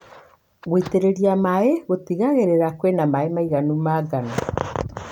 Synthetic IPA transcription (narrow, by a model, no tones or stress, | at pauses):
ɣweiteɾeɾiamaeɣotiɣaɣeɾeɾakwenamaemaiɣanumaɣana